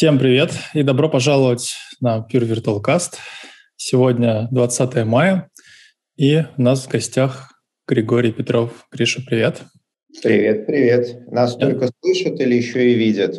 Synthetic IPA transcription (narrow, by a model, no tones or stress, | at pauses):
sʲe̞mpɾʲɪvʲe̞t̪id̪ɐbɾo̞pɐʐalˠəvətʲnəpʲirvʲɪrt̪ʊəlˠkast̪ | sʲɪvodʲnʲəd̪vɐt̪sat̪əjəmajə | iʊnasvɡɐsʲtʲax | ɡ̥ɾʲɪɡo̞ɾʲɪjpʲɪt̪ɾo̞fɡ̥ɾʲiʂəpɾʲɪvʲet̪ | pɾʲɪvʲe̞t̪̚pɾʲɪvʲe̞t̪nast̪olʲkəslˠɨʂət̪ɨlʲɪjɪɕːoɪvʲidʲɪt̪